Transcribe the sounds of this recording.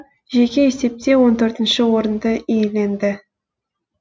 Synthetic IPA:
ʒekʲeese̞p̚t̪e̞wo̞nt̪ʰɵɾt̪ɪ̆nʃɪwo̞ɾənd̪əejelʲe̞nd̪ɪ

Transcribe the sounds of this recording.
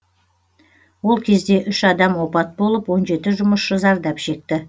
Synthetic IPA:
wo̞lˠkʲʰe̞zd̪e̞ʔʏʃɑd̪ɑmwo̞pɑt̪̚bo̞lˠəpwo̞nʒe̞t̪ɪʒʊməsʃəzɑɾd̪ɑpʃe̞k̚t̪ɪ

